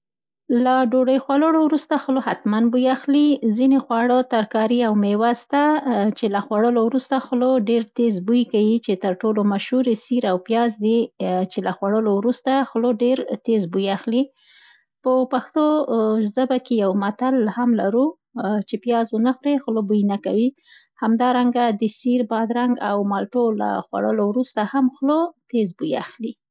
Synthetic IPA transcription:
laɖoɖəjxwaləɽowɾust̪axlohat̪manbujaxlizinexwaɽət̪aɾkɑɾiawmewast̪at͡ʃelaxwaɽəlowɾust̪axloɖeɾt̪ezbujkawit͡ʃet̪əɾʈolomaʃhuɾesiɾawpjɑzd̪it͡ʃelaxwaɽəlowɾust̪axloɖeɾt̪ezbujaxli | pəpaxt̪ozəbakejawmat̪alhamla̰ɾu | t͡ʃepjɑzwənaxɾexlobujnaka̰wi | hamd̪ɑɾaŋɡad̪əsiɾbɑd̪ɾaŋɡa̰wmɑlʈola̰xwa̰ɽəlowɾust̪ahamxlot̪ezbuja̰xli

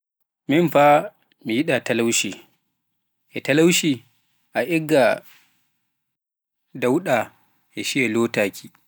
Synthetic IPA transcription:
minfa | mijiɗatalawʃi | ʔɛtalawʃi | ʔaʔɛɡːa | dawɗa | ʔɛʃiɛloːtaːkʰʲi

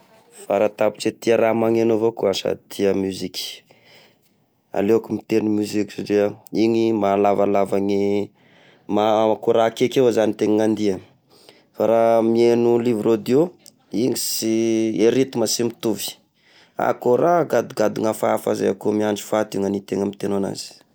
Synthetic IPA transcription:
faɾat̪apu̥ʈ͡ʂet̪iaɾamaŋenovokuasa̰t̪ʰiəmyzikʲi̥ | a̰lewakumit̪enimyziksaʈ͡ʂiəiŋimalavalavaŋi | makoɾakekewazanit̪eŋiŋand̪iə | faɾamienulivrod̪io | iŋisieɾit̪imasimit̪uvi̥ | a̰koɾaɡad̪uɡad̪uŋafaafa̰za̰ja̰komiaɳɖ͡ʐi̥fat̪iŋanit̪eŋəmit̪enana̰z̥i̥

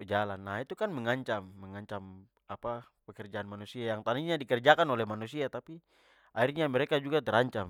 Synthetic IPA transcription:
d͡ʒalanːaɦit̪ukanmɛŋaɲt͡ʃamːəŋaɲt͡ʃam | apa | pɛkɛrd͡ʒaanmanusiajaŋt̪aniɲadikɛrd͡ʒakanɔlɛhmanusiat̪api | ʔairɲamɛɾekad͡ʒuɡat̪ɛɾaɲt͡ʃam

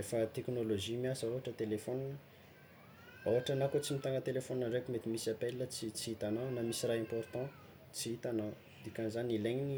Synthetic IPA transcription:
efət̪eknoloʒimiasaɦaʈ͡ʂət̪elefɔninə | awaʈ͡ʂanakot͡simit̪aŋɡət̪elefoninaɳɖ͡ʐekumet̪imisiapelːət͡sit͡siit̪ananamisiraɛ̃port̪ɑ̃ | t͡siit̪ana | d̪ikʲanzanileɲini

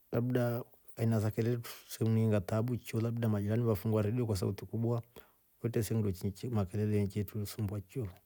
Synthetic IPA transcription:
laɓɗa | ainazakɛlɛtu̥sɛmuniiŋɡataɓut͡ʃɔlaɓuɗamad͡ʒiɾaniβafuŋɡwaɾɛɗiɔkwas̬a̰utikuɓwa | ɔitɛsɛŋudɔt͡ʃiɲt͡ʃmakɛlɛlɛɛɲt͡ʃɛtusumbwat͡ʃɔ

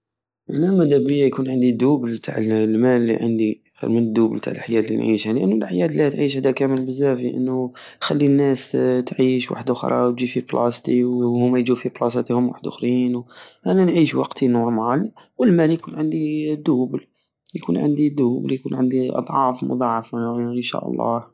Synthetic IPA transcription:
ʔænæmæd̪æbəjːajkuːnʕənd̪id̪ubəlt̪ʰa̰ʕəllmællːḭʕə̰nd̪i | xḭɾmənəd̪ːubəlt̪ʰa̰ʕəlʔħjæːd̪lḭnʕḭʃhæniʔə̰nːulʔħjæːd̪læt̪ʕiːʃhæd̪ækæməlbəzːæfiʔə̰nːu | xælːinːæst̪ʕiʃwa̰ħd̪ʊxɾˤɑ̰wt̪d͡ʒifiblʔɑ̰st̪iwhʊmːæjd͡ʒufiblɑsɑt̪ihʊmwa̰ħd̪ʔʊxɾiːnwʔænænʕiʃwɑ̰qt̪ʰinuɾˤmʕali | wəlmæljkuːnʕənd̪id̪ubl | jkunʕə̰nd̪id̪uːbljkuːnʕənd̪iʔɑ̰d̪ˤʕɑfmʊ̰d̪ˤɑʕfnʃæ̰ʔɑ̰lˤːɑ̰h

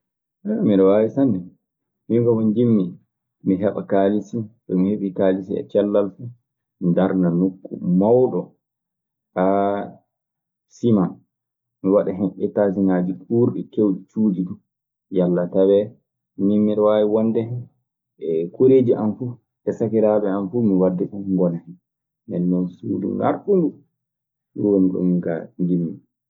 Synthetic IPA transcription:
ʔɛmiɾɛwawisandɛ | miɡɔmɔnd͡ʒimːi | miɦɛɓa̰kalisiɗɔmiheɓikalisiɛ̰t͡ʃɛlːalfu | daɾnanukːṵmawɗɔ | ʔa | siman | miwaɗaɦɛnʔɛtas̬inaːd͡ʒiɗuːɾɗikewɗit͡ʃuːdidu | jalːatawɛ | mimːiɾwajiwɔndɛhɛn | ɛkoɾed͡ʒiʔanfu | ʔɛsakiɾaːɓɛanfumiwadːɛɗumŋɡɔnahɛn | mɛ̰nːɔnsṵdṵŋɡa̰ɾtunɡu | jɔwoniɗɔ̰mika̰ŋɡimːi

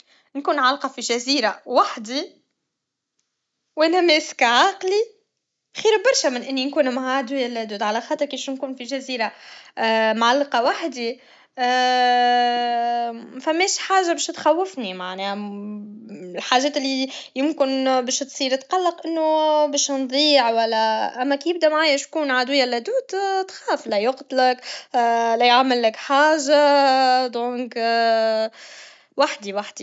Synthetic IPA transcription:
nkuːnʕalːqɑfiʒæziːɾawaħd̪i | wʔæːnæmɛːskʕaːqli | xiːɾbɑɾˤʃæmɪnʔɪnːinkuːnmʕaːd̪ujælːæd̪uːd̪ʕalæxɑːt̪ˤəɾˤkiːʃnkuːnfiʒæziːɾa | mʕalːqɑwaħd̪i | mæfæmːɛːʃħaːʒabɛːʃt̪xæwːɪfnimaʕnɛːhæ | ɪlħaːʒɛːt̪ɪlːijʊmkɪnbɛːʃt̪sˤiːɾt̪qɑlːɑqʔɪnːubɛːʃnd̪ˤiːʕwælːæʔæmːækjɪb̚d̪æmaʕaːjɪʃkuːnʕad̪wɪjːælːæd̪uːt̪t̪xaːflæjʊqt̪lɪkː | læjʕamːɪlːɪkħaːʒad̪õːŋk | waħd̪iwaħd̪i

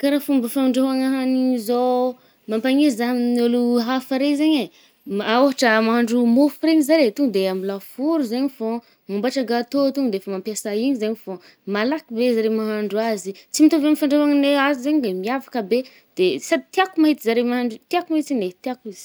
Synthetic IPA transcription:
kaɾafumbəfaɳɖ͡ʐaɦaŋaɦanizo | mampaɲizaminoluɦafaɾezaɲe | aoɦaʈ͡ʂəmaɦaɳɖ͡ʐumofiɾeɲizaɾet̪uŋɡəd̪eamilafuɾuzaɲfo | mambaʈ͡ʂaɡat̪ot̪uŋɡd̪eefəmampjasaiɲizaɲifo | malakibezaɾemaɦaɳɖ͡ʐuazit͡simit̪oveamifaɳɖ͡ʐeɦaŋneazizaɲd̪emiavḁkəbe | d̪̥esad̪it̪iakumaɦit̪izaɾemaɦaɳɖ͡ʐut̪iakumaɦit̪inet̪iakuiz̥i̥

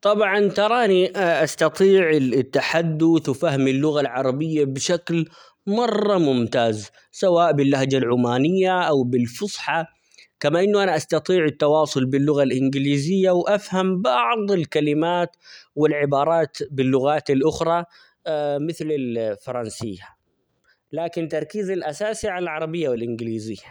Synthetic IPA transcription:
t̪ˤɑbʕɑnt̪ɑɾˤɑːniʔast̪ɑt̪ˤiːʕɪt̪ːaħad̪ːʊθfaɦmɪlːʊɣalʕɑɾˤɑbɪjːabʃakl | mɑrˤːɑmʊmt̪aːz | sawaːʔbɪlːahd͡ʒalʕʊmaːnɪjːaʔawbɪlfʊsˤħɑ | kamaʔɪnːuʔanaʔast̪ɑt̪ˤiːʕɪt̪ːɑwɑːsˤʊlbɪlːʊɣalʔɪnɡɪliːzɪjːawʔafhambɑʕðˤɪlkalɪmaːt̪wɪlʕɪbɑːɾˤɑːt̪bɪlːʊɣaːt̪ɪlʔʊxɾˤɑ | mɪθlɪlfɑɾˤɑnsɪjːa | laːkɪnt̪ɑɾˤkiːzalʔasaːsiʕalalʕɑɾˤɑbɪjːawɪlʔɪnɡliːzɪjːa

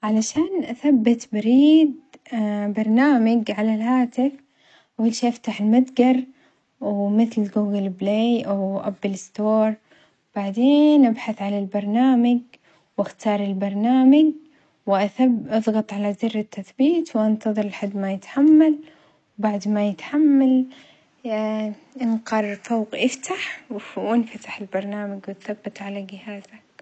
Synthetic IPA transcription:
ʕalaʃaːnʔaθabːɪt̪bɪɾiːd̪ | bɑɾˤnaːmaɡʕalalhaːt̪ɪf | wɪlʃiːʔaft̪aħɪlmad̪ɡɑɾˤ | wmɪθlɡuːɡɪlbleːʔawʔabːɪlɪst̪oːɾˤ | b̥aʕd̪eːnʔabħaθʕalalbɑɾˤnaːmaɡ | wɪxt̪ɑːɾˤɪlbɑɾˤnaːmaɡ | wɪʔaθabʔɑðˤɣɑt̪ˤʕalazʊrːɪt̪ːaθbiːt̪wʔant̪ɑðˤɨɾɪlħad̪ːmajɪt̪ħamːal | wbaʕd̪majɪt̪ħamːal | ʔɪnqɑrˤːfoːqʔɪft̪ʰaħwʔɪnfat̪ḁħɪlbɑɾˤnaːmaɡwɪt̪θabːɪt̪ʕalaɡɪhaːzak̚

